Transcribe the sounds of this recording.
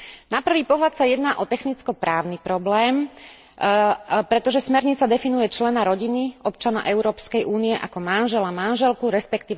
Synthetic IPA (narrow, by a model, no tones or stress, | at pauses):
napr̩ʋiːpɔɦlat̪sajɛd̪naːʔɔt̪ɛxnit͡skɔpɾaːʊnipɾɔblɛːm | pɾɛt̪ɔʒɛsmɛɾɲit͡sad̪ɛfinujɛt͡ʃlɛnaɾɔɟiniʔɔpt͡ʃanɔʔɛʊɾɔːpskɛjʔuːniɛʔakɔmanʒɛlamanʒɛlkuɾɛspɛkt̪iːʋ